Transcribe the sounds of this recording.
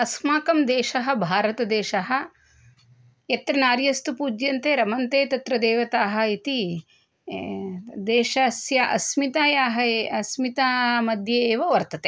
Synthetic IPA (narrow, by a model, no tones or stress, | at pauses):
ɐsmaːkɐmd̪eːʃɐɦɐ̆bʱaːɾɐt̪ɐd̪eːʃɐɦɐ̆ | jɐt̪ɾɐnaːɾjɐst̪upuːd͡ʒjɐnt̪eːɾɐmɐnt̪eːt̪ɐt̪ɾɐd̪eːʋɐt̪aːɦɐ̆it̪i | d̪eːʃɐsjɐʔɐsmit̪aːjaːɦɐɐsmit̪aːmɐd̪ʱjeːʋɐʋɐɾt̪ɐt̪e